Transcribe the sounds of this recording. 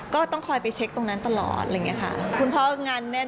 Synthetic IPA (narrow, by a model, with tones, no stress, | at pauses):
kɔː˥˩t̪ɔ˥˩ŋkʰɔː˧jpa˧jt͡ɕʰe˦˥k̚t̪o˧ŋna˦˥nt̪a˧lɔ̰ː˨˩t̪̚ʔa˧˩˨ŋi˦˥ɐkʰa̰˥˩kʰu˧npʰɔː˦˥ŋa˧nːɛ˦˥˩